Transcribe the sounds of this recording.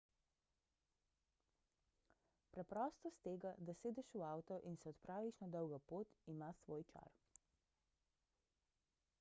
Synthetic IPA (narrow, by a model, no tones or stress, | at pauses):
pɾɛpɾɔːst̪ɔst̪eːɡad̪aseːd̪ɛʃuawt̪ɔʔinsɛɔt̪pɾaːʋiʃnad̪ɔwɡɐpoːt̪imaːsʋoːjt͡ʃa̰ɾ